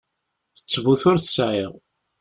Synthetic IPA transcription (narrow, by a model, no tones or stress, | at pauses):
θə̥t͡sːvuθʊɾθəsʕiʁ